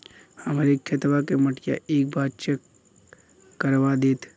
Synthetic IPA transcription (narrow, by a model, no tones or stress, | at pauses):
hɐmɾekʰːet̪ʋakemɐʈja̰ʔeːk̚bʱaːd̪t͡ʃək | kːəɾʋad̪eːt̪ʰ